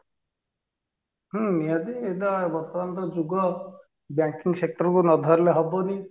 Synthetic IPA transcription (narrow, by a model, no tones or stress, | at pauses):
ɦũniadied̪aebɔɾt̪ɔɾant̪ɔd͡ʒuɡɔ | bjaŋkiŋsek̚ʈɔɾɔkunɔd̪ʱɔɾleɦɔbɔni